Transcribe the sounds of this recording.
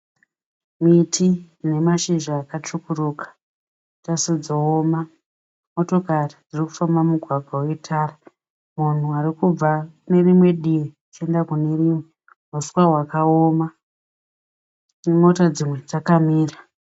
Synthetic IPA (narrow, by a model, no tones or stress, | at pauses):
mitʰi | ne̞maʃiʒaːkat͡ʂukurukḁ | tasid͡zooma | mo̞to̞karid͡ziriku̥fambamuɡʱwaɡʱawe̞tʰaːra | mun̤uaɾikuakne̞rimwe̞ɗije | t͡ʃe̞ndakune̞rimwe | muswawakaoma | mo̞tad͡zimwe̞d͡zakamiːra